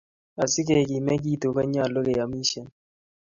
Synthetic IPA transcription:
a˨sɪ˦ke˨ki˨mɛ˦ɡ̬i˦˨to˨ka˦ɲa˦˨lo˦ke˨ja˨mi˦ʃe˨n

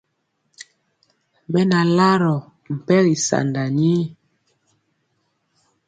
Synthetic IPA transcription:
bɛ˦na˨la˦ɾɔ˨ | m̩˨pɛ˦ɣi˨sa̰˨nda˨ɲi˦

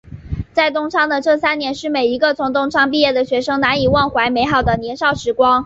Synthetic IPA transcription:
t͡sa˥˩ɪt̪ʊ˥ŋʈ͡ʂʰɑ˥ŋd̪ə˨ʈ͡ʂɤ˥˩sa˥nnjɛ˧˥nʂɻ̩˥˩me˨˩ɪi˧˥ɡə˧t͡sʰʊ˧˥ŋt̪ʊ˥ŋʈ͡ʂʰɑ˥ŋp̬i˥˧jɛ˥˩d̪ə˩ɕɥɛ˧˥ʂɤ˥ŋna˧˥ni˨˩wɑ˥˩ŋxwa˧˥ɪme˧˥ɪxɑ˨˩ʊd̪ə˦njɛ˧˥nʂɑ˥˩ʊʂɻ̩˧˥kwɑ˥ŋ

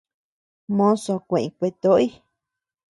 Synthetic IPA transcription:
mõ˦so˧˨kʷẽ˨ĩ˧˨kʷe˧t̪o˦i˦

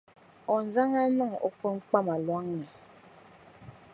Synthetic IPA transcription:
ɔ˨n̩˨˦za˦ŋa˦nɔ˦˨ŋɔ̰˦kɔ˦ŋ̩˦k͡pa˦ma˨lwa˦ŋna˨

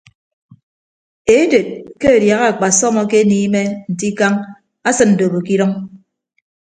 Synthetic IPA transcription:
e˨˦de˨t̚ke˦e˨dja˨ɣa˦a˨k͡pa˨sɔ˦mɔ˨ke˦niː˦me˦n̩˨ti˦ka˦ŋ | a˦sɨ˨nn̩˨do˨bo˨ki˦ɾɔ˦ŋ

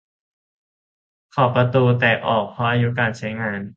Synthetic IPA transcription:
kʰɔː˨˩pɾa˧t̪uː˧t̪ɛː˨˩ʔɔː˨˩k̚pʰɔ˦˥ʔaː˧ju˦˥kaː˧nt͡ɕʰa˦˥jŋaː˧n

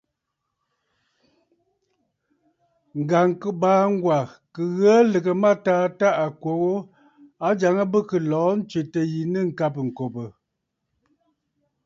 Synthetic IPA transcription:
ŋ̩˨ɡa˨ŋkə˦baː˨˦ŋ̩˦ɡwa˨kə˨ɣə˦lə˨kə˨ma˦taː˨˦ta˦ʔa˨kwo˨ɣo˦ | a˦d͡ʒa˨ŋə˦bə˦kə˨lɔː˨˦n̩˦t͡ʃɥe˨tə˨ji˨nə˦˨ŋ̩˨ka˦p̬ŋ̩˨ko˨pə˨

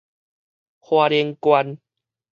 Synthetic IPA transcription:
hwaː˧ɾji˧əŋkwa˧n

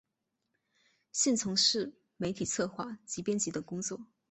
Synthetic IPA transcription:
ɕi˥˩nt͡sʰʊ˧˥ŋʂɻ̩˥˩ | me˧˥ɪt̪ʰi˨˩t͡sʰɤ˥˧xwa˥˩t͡ɕi˧˥pjɛ˥nt͡ɕi˧˥d̪ə˨˩ŋkʊ˥ŋt͡swɔ˥˩

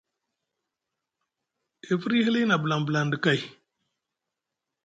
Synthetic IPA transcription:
e˨fi˦ɾi˦hi˦li˦na˨bə˨la˨mbə˨la˨ndə˨ka˦i˨

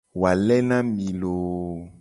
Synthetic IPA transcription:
wa˨lɛ˦nã˦mĩ˨lo˨

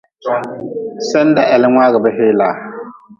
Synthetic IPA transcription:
sɛ˦n˦da˦ʔɛ˨lɪ˦ŋʷaː˦ɣɪ˨bɛ˦ɦe˦laː˨

